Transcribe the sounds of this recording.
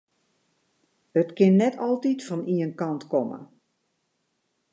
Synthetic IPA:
ətkɪnːɛtʰɔlˠtitfɔniənkɑntkɔmə̰

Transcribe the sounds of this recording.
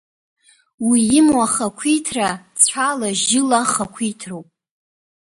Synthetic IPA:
wijɪmwaχakʷʰijtʰrat͡sʷʰalaʒɪlaχakʷʰijtʰrowpʼ

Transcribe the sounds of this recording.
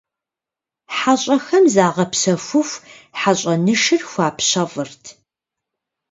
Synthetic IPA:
ħaɕʼɐxɐmzaːʁɐpɕɐfʷʊfʷ | ħaɕʼɐnɨʃɨrxʷaːpɕɐvɨrtʰ

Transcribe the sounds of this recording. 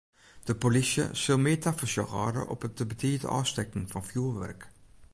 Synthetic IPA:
d̪̥əpʊlɪsə̰sɪlmeːt̪ʰafəʃɑʁɑ̰ːɾə̰ʔɔ̰pət̪̚əbət̪ʰiːd̪ə̰ʔɑ̰ːst̪ɛkn̩fɑnfjuːʋæ̰ɾk

